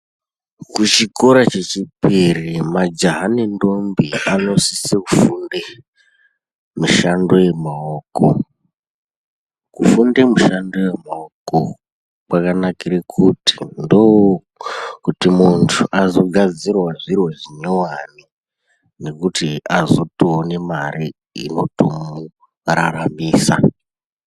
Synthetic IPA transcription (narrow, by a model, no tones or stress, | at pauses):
kut͡ʃiko̞ɾat͡ʃe̞t͡ʃipirimad͡ʒaɦanindo̞mbiano̞sisekufunde | muʃandoje̞maoko | kufundemuʃandojemaoko | kwakanakiɾekʰuti̥ndow | kutimuntʰuʔazo̞ɡʱad͡zirwaʐirwoʐiɲowani | ne̞kutiazo̞toonemarʔi | ḭno̞tomu | raramiːsa̰